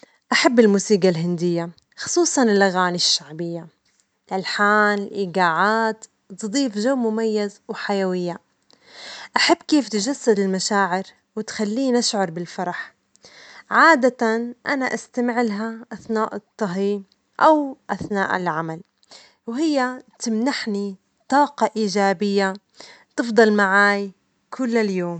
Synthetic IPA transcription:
ʔaħabːɪlmuːsiːɡalɦɪnd̪ɪjːa | xʊ̥sˤuːsˤɑnɪlʔaɣaːnɪʃːaʕbɪjːa | lʔalħaːnɪlʔiːɡaːʕaːt̪ | t̪ɨd̪ˤiːfʒawmʊmajːazwħajawɪjːa | ʔaħabːkeːft̪d͡ʒasːad̪ɪlmaʃaːʕɪɾ | wɪt̪xalːiːnʔaʃʕɑɾˤbɪlfɑɾˤɑħ | ʕaːd̪at̪anʔanaʔast̪amɪʕlɦaʔaθnaːʔɨt̪ˤːɑɦi | ʔawʔaθna̰ːʔɪ̰lʕamal | wɦɪjːat̪ɪmnaħni | t̪ˤɑːqɑʔiːd͡ʒaːbɪjːa | t̪ɨfd̪ˤɑlmaʕaːj | kʰʊlːaljoːm

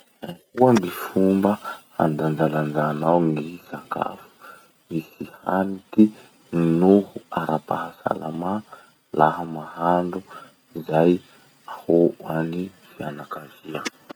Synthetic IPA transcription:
akuamifumbəha̰nd̪and͡ʒaland͡ʒanawŋɡisaka̰fu̥ | misiha̰nit̪i | nuhuaɾapaɦasa̰lama | laɦamaɦaɳɖ͡ʐu | zaj | ahoani | fianakazia

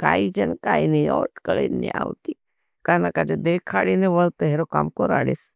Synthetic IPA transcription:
kaːid͡ʒɐnkaːiniɔ̰ːʈkəlḛnḭa̰ːwt̪i | kaːnakad͡ʒed̪eːkʰaːɽineʋɐlt̪eɦeɾoka̰mkoɾa̰ːɽḛs

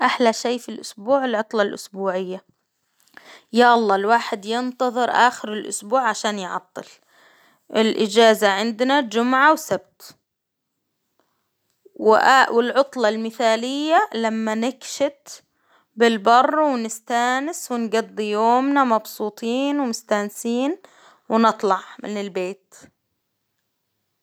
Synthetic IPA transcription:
ʔaħlaʃaːfilʔʊsbuːʕɪlʕʊt̪ˤlɑlʔʊ̰sbuːʕɪjːa | jaʔɑlˤːɑːlwaːħɪd̪jɪnt̪ɑðˤɨɾʔa̰ːxɪɾɪlʔʊ̰sbuːʕʕaʃaːnjʕɑ̰t̪ˤːɨ̰l | ʔɪlʔɪd͡ʒaːzaʕɪnd̪nad͡ʒʊmʕawsab̚t̪ | wɪʔawɪlʕʊt̪ˤlɑlmɪθaːlɪjːalamːanɪkʃɪt̪ | bɪlbɑrˤːwɪnɪst̪aːnɪswɪnɡɑd̪ˤːijoːmnamɑbsˤuːt̪ˤiːnwɪmʊst̪aːnsiːn | wnɨt̪ˤlɑʕmɪ̰nɪlbeːt̪

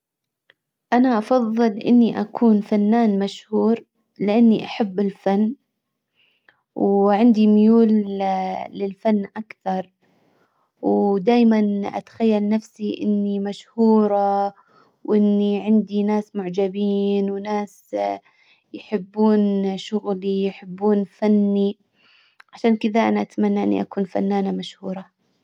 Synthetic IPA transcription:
ʔanaʔɑfɑðˤːɨlʔɪ̰nːiʔakʰuːnfanːaːnmaʃhuːɾ | lɪʔanːiʔaħabːɪlfanː | wʕɪnd̪imʊjuːl | lɪlfanːʔakθɑɾˤ | wd̪aːjmanʔa̰t̪ḁxajːalnafsiʔɪ̰nːimaʃhuːɾˤɑ | wʔɪnːiʕɪnd̪inaːsmʊʕd͡ʒabiːnwnaːs | jħɪbːuːnʃʊɣlijħɪbːuːnfanːi | ʕaʃaːnkɪðaʔanaʔat̪manːaʔɪ̰nːḭʔakuːnfa̰nːaːnamaʃhuːɾˤɑ

